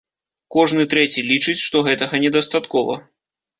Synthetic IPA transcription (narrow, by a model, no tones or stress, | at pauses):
kɔʐnɨt̪ɾɛt͡sʲilʲit͡ʂɨt͡sʲʂt̪ɔɣɛt̪ɐɣɐnʲɛd̪ɐst̪at̪kɔvɐ̰